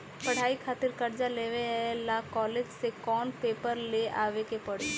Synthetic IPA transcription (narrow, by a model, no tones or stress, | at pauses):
pɐɽ̤aːikʰaːt̪ɪɾkɐɾd͡ʒaleːʋeɛlaːkɔːled͡ʒsekɔːnpeːpəɾleaːʋekepɐɽ̤